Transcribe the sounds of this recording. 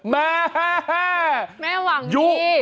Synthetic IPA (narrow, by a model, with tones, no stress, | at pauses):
mɛ˦˥ | mɛː˥˩wa˨˦ŋju˦˥˩